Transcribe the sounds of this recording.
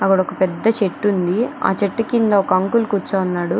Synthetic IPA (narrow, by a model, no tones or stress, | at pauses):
ɐkːɐɽɔkɐpɛd̪ːɐt͡ʃeʈːund̪ia̰ːt͡ʃeʈːukind̪ɐɔkɐɐŋkulkut͡ʃːaːɐnːaːɽu